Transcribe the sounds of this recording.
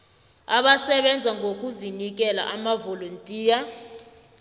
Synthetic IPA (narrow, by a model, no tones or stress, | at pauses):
aɓasɛɓɛnd͡zʱaŋɡʱok̬ʼuzinik̬ʼɛla̰ʔamavolontʼiːja